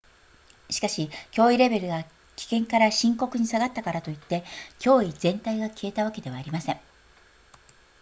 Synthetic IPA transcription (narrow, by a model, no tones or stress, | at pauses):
ɕi̥kaɕikʲo̞ːiɾe̞be̞ɾɯ̟ɡa | kʲi̥kẽ̞ŋkaɾaɕĩŋko̞kɯ̟ɲ̟isaɡat̪ːakaɾat̪o̞it̪ːe̞kʲo̞ːid͡zẽ̞nt̪aiɡakʲʰie̞t̪aβake̞d̪e̞β̞aːɾʲimasẽ̞ŋ